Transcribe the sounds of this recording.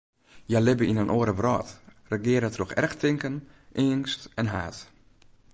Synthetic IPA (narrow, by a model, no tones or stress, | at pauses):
jalɪbəinənʔoəɾəbrɔːtrəɡɪəɾətroxɛ̰rxtʰɪŋkən | ʔɪːnstɛnɦaːt